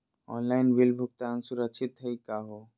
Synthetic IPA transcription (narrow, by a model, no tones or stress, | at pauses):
ɔ̰ːnlaɪnwilbʱʊk̚t̪aːnsʊɾəkt͡ʃʰɪt̪ɦəikaːɦo